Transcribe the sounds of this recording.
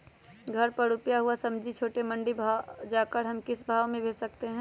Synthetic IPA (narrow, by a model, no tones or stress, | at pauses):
ɡʱɐɾpɐɽʊpjaɦuasɐ̃md͡ʒʱit͡ʃʰoːʈemɐ̃ɳɖibʱad͡ʒaːkəɾɦɐmkɪsbʱaːʋmẽbʱeːsɐk̚t̪eɦɛ̃ː